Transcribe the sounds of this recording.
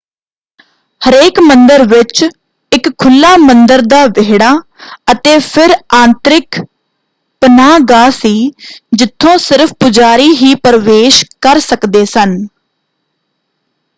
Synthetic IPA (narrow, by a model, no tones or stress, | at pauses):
həɾeːkmənd̪əɾʋɪt͡ʃ | ɪkkʰːʊlːaːmənd̪əɾd̪aːʋeːɽaː | ət̪eːpʰɪɾãːnt̪ɾɪk | pənaːɡaːsiːd͡ʒɪt̪ʰːõːsɪɾfʰpʊd͡ʒaːɾiːɦiːpəɾʋeːʃkəɾsəkd̪eːsən